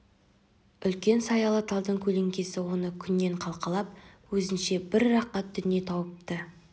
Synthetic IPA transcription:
ʏlkʲe̞nsɑjɑlˠɑt̪ɑlˠd̪əɴkʲʰɵle̞ŋkʲe̞sɪwo̞nəkʲʰʏnːe̞ɴqʰɑlˠqɑlˠɑp̚wɵzɪnʃe̞bɪɾːɑqːɑt̪̚d̪ʏnje̞t̪ʰɑwəp̚t̪ə

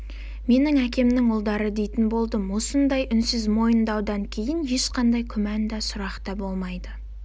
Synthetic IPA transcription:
me̞nɪŋækʲe̞mnɪŋolˠd̪ɑɾəd̪e̞jt̪ɪnbo̞lˠd̪əmwo̞sənd̪ɑjʔʏnsɪzmo̞jənd̪ɑwd̪ɑŋkʲʰe̞jɪnje̞ʃqʰɑnd̪ɑjkʲʰʏmænd̪ɑsʊɾɑqt̪ɑbo̞lˠmɑjd̪ə

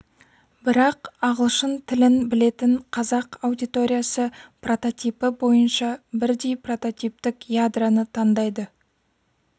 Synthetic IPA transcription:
bɪɾɑqɑʁəlˠʃənt̪ʰɪlɪnbɪle̞t̪ɪɴqʰɑzɑqɑwd̪ijt̪o̞ɾʲijasəpro̞t̪o̞t̪ijpəbo̞jənʃɑbɪɾd̪e̞jpro̞t̪o̞t̪ʲijp̚t̪ɪkjad̪ranət̪ʰɑnd̪ɑjd̪ə

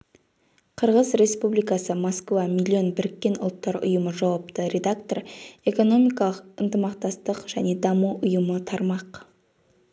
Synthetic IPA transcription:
qʰəɾʁəzɾe̞spublijkɑsəmoskvamilʲːio̞nbɪɾɪkʲːe̞nʊ̰lˠt̪ːɑɾʊ̰jəməʒɑwɑp̚t̪əɾʲe̞d̪akt̪o̞re̞ko̞no̞mijkɑlˠəqənt̪əmɑqt̪ɑst̪əqʒæne̞d̪ɑmuʔʊjəmət̪ʰɑɾmɑq

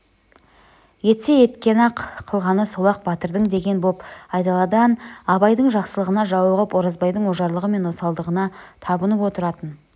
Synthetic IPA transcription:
je̞t̪seje̞t̪kʲe̞nɑqʰːəlˠʁɑnəsolˠɑq̚bɑt̪əɾd̪əɴd̪e̞ɡʲe̞nbo̞pɑjt̪ɑlˠɑd̪ɑnɑbɑjd̪əɴʒɑqsəlˠəʁənɑʒɑwɑʁɑpwo̞ɾɑzbɑjd̪əɴwoʒɑɾlˠəʁəme̞nwosɑlˠd̪əʁənɑt̪ʰɑbənəpwo̞t̪əɾɑt̪ən

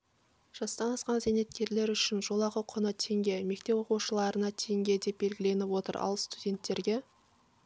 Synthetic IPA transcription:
ʒ̥ɑst̪ɑnɑsqɑnzenet̪kʲe̞ɾle̞ɾʏʃɪnʒo̞lˠɑʁəqʰonət̪ʰe̞ŋɡʲe̞me̞k̚t̪e̞pwo̞quʃəlˠɑɾənɑt̪ʰe̞ŋɡʲe̞d̪e̞p̚be̞lɡʲɪle̞nɪpwo̞t̪ə̰ɾɑ̰lˠst̪udʲe̞nt̪ːe̞ɾɡʲe̞

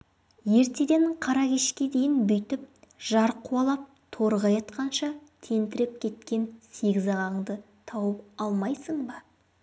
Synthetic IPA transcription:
je̞ɾt̪e̞d̪e̞ɴqʰɑɾɑkʲeʃkʲe̞d̪e̞jɪnbʏjt̪ɪp̚ʒ̥ɑɾqʰuɑlˠɑp̚t̪ʰo̞ɾʁɑjɑt̪qɑnʃɑt̪ʰe̞nt̪ɪɾɪp̚kʲʰe̞t̪kʲe̞nse̞ɡʲɪzɑʁɑɴd̪ə | t̪ʰɑwəpɑlˠmɑjsəɴbɑ

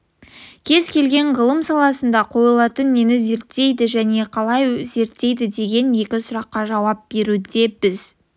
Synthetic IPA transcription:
kʲʰe̞zkʲʰe̞lɡʲe̞ɴʁəlˠəmsɑlˠɑsənd̪ɑqʰo̞jəlˠɑt̪ənːe̞nɪze̞ɾt̪ːe̞jd̪ɪʒæne̞qʰɑlˠɑjze̞ɾt̪ːe̞jd̪ɪd̪e̞ɡʲe̞nje̞kʲɪsʊɾɑqːɑʒɑwɑp̚b̥e̞ɾud̪e̞bɪz̥

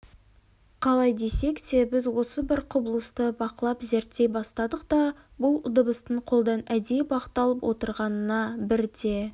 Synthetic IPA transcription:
qʰɑlˠɑjd̪e̞se̞kd̪e̞bɪzwo̞səbɪɾqʰʊbəlˠəst̪əbɑqəlˠɑpze̞ɾt̪ːe̞jbɑst̪ɑd̪əqd̪ɑ | bʊlˠʊd̪əbəst̪əɴqʰo̞lˠd̪ɑnæd̪ebɑqə̥t̪ːɑlˠəpwʔo̞̰t̪əɾʁɑnənɑbɪɾd̪e̞

